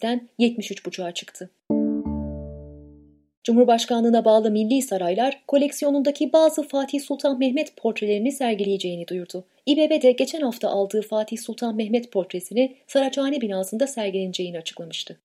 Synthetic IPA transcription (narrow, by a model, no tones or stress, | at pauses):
t̪ænjɛt̪miʃyt͡ʃbut͡ʃʰaːt͡ʃʰɯ̥kt̪ʰɯ | d͡ʒumhuɾbaʃkanˠɯːnabaːlˠɯmilʲːiːsaɾajlˠaɾ̥kʰo̞lʲɛcsijo̞nund̪acʰibaːzɯfaːt̪ʰihsulʲˠt̪ʰanmɛɦmɛt̪pʰo̞ɾt̪ɾelʲeɾinisæɾɟilʲejed͡ʒe̞jinid̪ujuɾd̪ʊ | ibe̞ːbed̪ɛɟe̞t͡ʃʰænhaft̪ʰa̰ʔalˠd̪ɯːfaːt̪ʰiçsulˠt̪ʰanmɛɦmɛt̪pʰo̞ɾt̪ɾe̞sinisaɾat͡ʃaːnɛbinaːsɯnd̪asæɾɟilʲenid͡ʒe̞jiniat͡ʃʰɯ̥klˠamɯʃt̪ʰɯ